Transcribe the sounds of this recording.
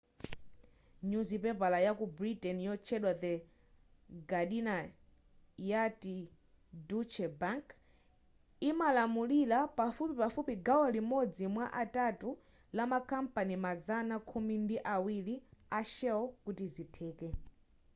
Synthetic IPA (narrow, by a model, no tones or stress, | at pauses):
ɲuzipɛpalajakubɾitɛnjɔt͡ʃʰɛɗwad̪ɛ | ɡaɗina | jati | dut͡ʃʰɛbaŋk | imalamulilapafupipafupiɡawɔlimɔd͡zimwaʔatatu | lamakampanimazanakʰumindiʔawiliaʃɛwɔkutizitʰɛːkɛ